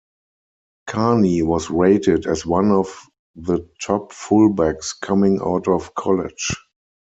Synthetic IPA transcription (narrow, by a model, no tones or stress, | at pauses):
kʰaniwɔsɹeɪtɪdɛswãnɔf | ðətʰɔpfulbækskʰamɪ̃ŋa̰ʊtɔfkʰɔlɪ̰̥d͡ʒ